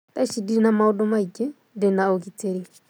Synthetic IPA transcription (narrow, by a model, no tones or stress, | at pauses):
t̪ʼaʃidiinamaʊdɔmaikʼɪ | dɪnaokit͡sʼeɾek